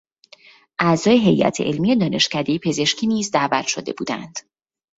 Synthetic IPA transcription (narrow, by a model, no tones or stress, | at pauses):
ʔæzɒːjeɦe̞jʔæ̰t̪ʰeʔelmije̞d̪ɒːne̞ʃcʰæd̪e̞jipʰe̞ze̞ʃcʰiːniːzd̪æːvæt̪ʃod̪e̞̰buːd̪æ̰nd̪̥